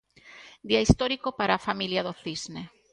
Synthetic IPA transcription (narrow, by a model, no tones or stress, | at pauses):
d̪iaist̪oɾikopaɾaːfamiljaðoθizne